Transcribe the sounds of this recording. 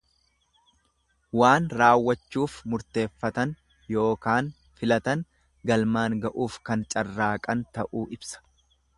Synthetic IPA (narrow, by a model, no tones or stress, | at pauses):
waːnɾaːwːɐt͡ʃːuːfmʊɾt̪e̞ːfːɐt̪ɐn | jo̞ːkaːn | fɪlɐt̪ɐŋ | ɡɐlmaːŋɡɐʔuːfkɐnt͡ʃʼɐrːaːkʼɐnt̪ɐʔuːʔɪbsɐ̥